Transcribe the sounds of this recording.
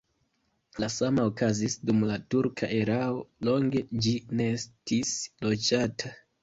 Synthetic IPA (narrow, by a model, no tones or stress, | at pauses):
lasamaokazisdumlatuɾkʰa̰ʔe̞ɾao̞lo̞ŋɡe̞d͡ʒine̞estislo̞d͡ʒatʰa